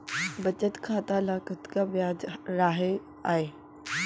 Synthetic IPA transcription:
bɐt͡ɕət̪kʰãːt̪alaːkət̪kaʋɪjaːd͡ʑɾaːɦe | aːɦeː

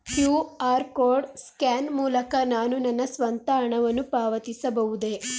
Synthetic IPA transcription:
hjuːaːɾkoːɖskaːnmuːlɐkɐnaːnunɐnːɐsʋɐnt̪ɐɦɐɳɐʋɐnːupaːʋɐt̪isɐbɐʋud̪e

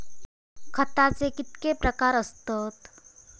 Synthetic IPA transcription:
kʰət̪at͡sekɪt̪kepɾəkaːɾəst̪əːt̪

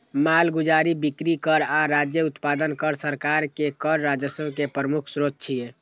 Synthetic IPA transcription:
malɡud͡ʒaɾibikɾikəɾaɾad͡ʒjəut̪pad̪ənkəɾsəɾkaɾkekəɾːad͡ʒjəsəbʱkepɾəmukʰsɾot̪̚t͡ʃʰije

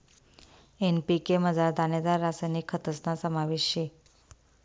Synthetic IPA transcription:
enpikeməd͡zaɾd̪aned̪aɾːasajnikʰːət̪əsnasəmaʋiɕje

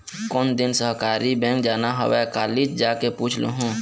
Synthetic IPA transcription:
koːnd̪ɪnsəɦkaːɾibɛ̃ŋk̚d͡ʒaːnaɦə̰wɛkaːlid͡ʒd͡ʒaːkepuːt͡ʃʰlṵɦũː

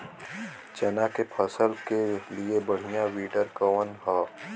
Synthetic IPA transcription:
t͡ʃɐnakepʰəsəlkeliebɐɽ̤ijãʋiːʈəɾkəənɦaː

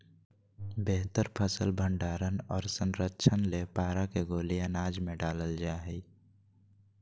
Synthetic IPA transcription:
beɦt̪əɾpʰəsəlbʱə̃ɳɖaːɾənɔːɾsə̃nɾətːt͡ʃʰənlepaːɾakeɡoːlijãnaːd͡ʒmẽɖaːləld͡ʒaːɦɛ

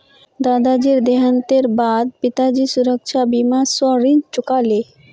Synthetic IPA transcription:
d̪ad̪ad͡ʑiɾd̪eɦant̪eɾbad̪̚pit̪ad͡ʑisuɾəkʃʰabimasɔɾiɲt͡ɕokale

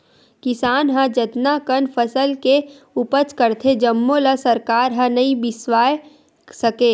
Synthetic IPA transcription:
kɪsaːnɦə̃d͡ʒət̪nakənpʰəsəlke | ʊpət͡ʃkəɾt̪ʰed͡ʒəmːolasɐɾkaːɾɦə̃nɐĩbɪswaːje | səkeː

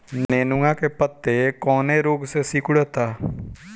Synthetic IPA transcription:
neːnʊŋãkepət̪ːekɔːnẽɾoːɡsesikʊɽət̪aː

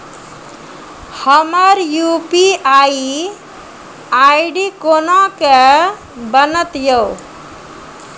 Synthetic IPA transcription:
həməɾjupiai | aiɖikonɔ̃ke | bənət̪jow

